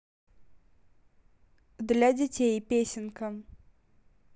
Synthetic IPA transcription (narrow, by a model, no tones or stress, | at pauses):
d̪lʲadʲɪtʲejpʲesʲɪnkə